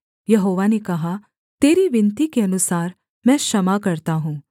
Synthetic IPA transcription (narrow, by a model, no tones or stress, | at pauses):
jɐɦoːʋanekɐɦa | t̪eːɾiʋɪnt̪ikeɐnʊsaːɾ | mɛ̃ːʃɐmakɐɾt̪aɦũː